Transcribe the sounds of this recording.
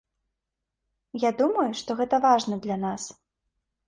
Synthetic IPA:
jad̪umɐjuʂt̪ɔɣɛt̪ɐvaʐnɐd̪lʲanas

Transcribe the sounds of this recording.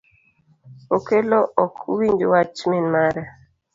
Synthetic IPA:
okelɔɔkʰuwiɲd͡ʒowat͡ʃminmaɾɛ

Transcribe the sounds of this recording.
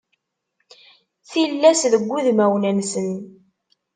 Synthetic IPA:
θilːæsðəɡʷːuðmæwnænsən

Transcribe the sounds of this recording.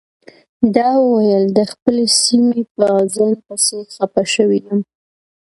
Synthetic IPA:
d̪ɑwəwajəld̪əxpəlesimepəzalpəsexapaʃəwinam

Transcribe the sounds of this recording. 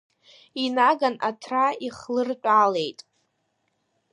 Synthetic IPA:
inaɡanatʰraiχlɨrt͡ʃʷʼale̞jtʼ

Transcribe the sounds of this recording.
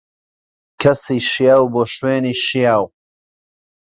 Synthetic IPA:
kʰɐsiːʃijaːwboːʃweːniːʃijaːw

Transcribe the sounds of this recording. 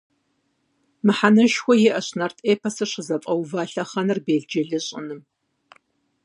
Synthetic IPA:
mɨħanɐʃxʷɔjɛʔɐɕnɐrtʼeːpʰɐsɨɕɪzɐpʼɐwvaːɬɐχɐnɨrbeːɮd͡ʒɐɮɨɕʼɪ̰nɨm

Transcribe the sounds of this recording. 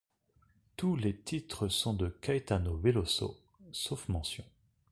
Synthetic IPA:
t̪ulet̪ʰit̪χəsɔ̃d̪əkajt̪anoveloso̰ | sofmɑ̃sjɔ̰̃

